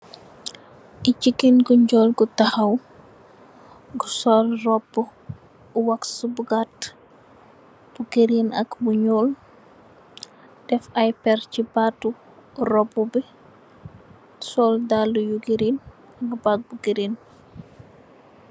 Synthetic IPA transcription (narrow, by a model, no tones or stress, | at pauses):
ʔicikːinɡuɲɟɔːlɡutahɐw | ɡusɔlrɔpːu | uwaksubuɡat | b̥uɡeɾinɐkbuɲoːl | d̥ɛfɐjpɛrcibatːu | ɾɔbubi | sɔːldalːujuɡeɾin | ɐɡbat̚buɡeɾin